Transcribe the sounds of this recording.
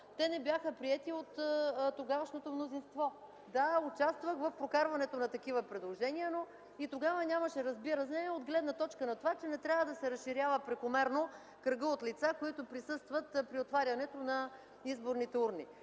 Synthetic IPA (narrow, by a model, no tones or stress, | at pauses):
t̪ɛnɛbjaxəpɾiɛt̪iot̪ːoɡavəʃnot̪omnozinst̪vɔ | d̪aʊt͡ʃast̪vəxvɐfpɾokaɾvɐnɛt̪onɐt̪ɐkivəpɾɛd̪lˠoʒɛniəno | it̪oɡavɐnʲamɐʃɛɾɐzbiɾəsnɛɛod̪ɡlɛd̪nɐt̪ɔt͡ʃkənɐt̪ovat͡ʃɛnɛt̪ɾʲavəd̪ɐsɛɾɐsʃiɾʲavəpɾɛkomɛɾno | kɾəɡəot̪lit̪sakoit̪opɾisɤst̪vɐt̪pɾiot̪vaɾʲɐnɛt̪onɐ | izboɾnit̪ɛuɾni